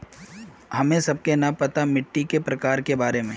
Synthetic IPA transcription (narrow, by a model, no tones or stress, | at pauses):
ɦɐmẽsɐb̚kenɐpɐt̪amɪʈːikepɾɐkaːɾkebaːɾemẽː